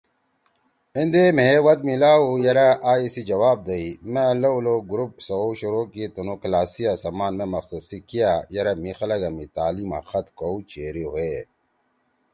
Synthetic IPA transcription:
ind̪emewɐd̪̚milaːujɐɾaʔaːisid͡ʑɐwaːb̚d̪ɐimelɐuloɡuɾup̚sɐɕuɾokit̪unoklaːsijasɐmaːnmẽmɐqsɐd̪sikijajɐɾɐmixɐlɐɡɐmit̪aːliːma̰xɐt̪kout͡ʃeːɾiɦoe

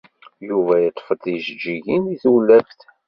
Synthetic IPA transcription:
juvæjət̪ˤːfət̪iʒd͡ʒːiʝiniθulːævθ

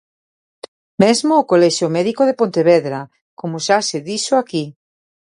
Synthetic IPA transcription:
mezmoːkolɛʃjomɛðikoðepont̪eβɛðɾa | komosaseðiʃoaki

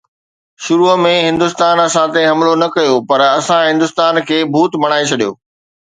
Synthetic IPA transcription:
ʃʊɾumẽɦɪ̃nd̪ʊst̪aːnɐsãt̪eɦɐmlonɐkɐjopɐɾɐsãɦɪ̃nd̪ʊst̪aːnkʰeːbʱuːt̪mɐɽ̃aːet͡ɕʰɐɗijo̰ː

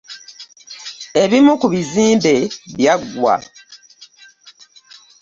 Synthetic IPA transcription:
e̞βimukuβiziːmbe̞βjaɡwa̰

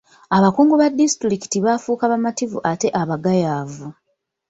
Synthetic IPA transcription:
aβakuːŋɡuβadːistɾiki̥tiβafuːkaβamativṵʔate̞ʔaβaɡajaːvu

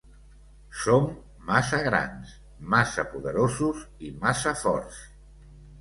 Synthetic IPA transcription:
somː | asəɣɾa̰ns | masəpuðəɾozuzimasəfɔ̰ɾs

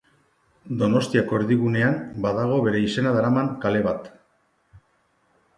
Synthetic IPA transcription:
d̪o̞no̞st̪iako̞eɾðiɣ̞une̞anbaðaɣ̞o̞βe̞ɾe̞ise̞naðaɾamaŋkale̞βat̪

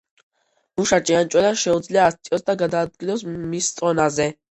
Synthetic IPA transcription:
muʃat͡ʃʼiant͡ʃʼwɛlanʃɛud̪zliaːst̪ʼiɔsd̪aɡad̪aːd̪̚ɡilɔsmist̪sʼɔnazɛ

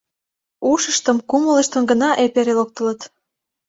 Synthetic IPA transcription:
uʃəʃt̪ə̆mkumələʃt̪ə̆mɡənɑʔepeɾelok̚t̪ə̆lət̪

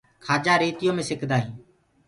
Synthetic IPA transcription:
kʰaːd͡ʒaːɾiːt̪ɪjõːmẽːsɪkʰd̪aːɦĩː

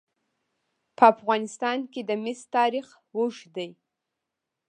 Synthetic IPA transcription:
pʰəafɣɑnɪst̪ɑnked̪əmɪst̪ɑɾiχ | wuʒd̪aj

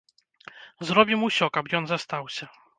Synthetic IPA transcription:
zɾɔbʲimusʲɔkapjɔnzast̪awsʲɐ

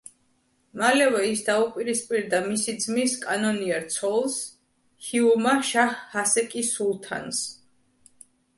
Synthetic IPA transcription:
malɛvɛisd̪aupʼiɾispʼiɾd̪amisid̪zmiskʼanɔniɛɾt̪sʰɔlˠs | hiumaʃahːasɛkʼisulˠt̪ʰa̰ns

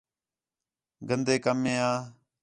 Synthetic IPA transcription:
ɡənd̪eːkəmːẽːaː

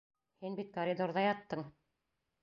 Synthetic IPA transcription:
hinbit̪̚kɐɾʲid̪oɾðɑjɑt̪ːɤɴ

